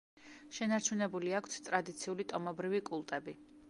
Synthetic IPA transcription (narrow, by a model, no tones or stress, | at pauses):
ʃɛnaɾt͡ʃʰunɛbuliakʷʰt̪st̪ʼɾad̪it̪sʰiulit̪ʼɔmɔbɾivikʼulˠt̪ʼɛbi